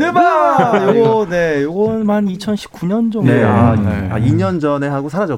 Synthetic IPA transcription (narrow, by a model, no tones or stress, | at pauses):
nebajoɡʌne̞joɡʌnmanit͡ɕʰʌnɕʰi̥p̚k͈uɲʌnd͡ʑʌŋneaa̰iɲʌnd͡ʑʌne̞ɦaɡosʰaɾad͡ʑʌ